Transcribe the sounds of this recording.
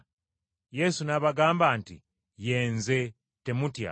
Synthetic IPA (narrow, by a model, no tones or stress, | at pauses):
je̞sunaβaɡaːmbaːntḭ | je̞ːnze̞ | te̞mutja̰